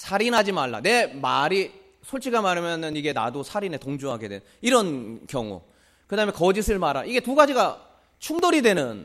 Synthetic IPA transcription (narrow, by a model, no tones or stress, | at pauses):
sʰaɾinɦad͡ʑimaɭːa̰ne̞maɾi | sʰoɭt͡ɕʰiɡamaɾɯmjʌnɯniɡe̞na̰dosʰaɾine̞toŋd͡ʑuɦaɡe̞dwenniɾʌnkjʌŋṵ | kɯdaɦɯme̞kʌd͡ʑisʰɯɭmaɾaiɡe̞tuɡad͡ʑiɡa | t͡ɕʰuŋdoɾidwe̞nɯn